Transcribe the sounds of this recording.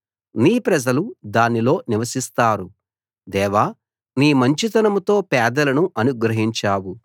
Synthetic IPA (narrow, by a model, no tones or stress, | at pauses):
niːpɾɐd͡ʒɐlud̪aːnilo̞ːniʋɐsist̪aːɾu | d̪ɛːʋaː | niːmɐɲt͡ʃit̪ɐnɐmut̪o̞ːpɛːd̪ɐlɐnuʔɐnuɡɾɐɦiɲt͡ʃaːwu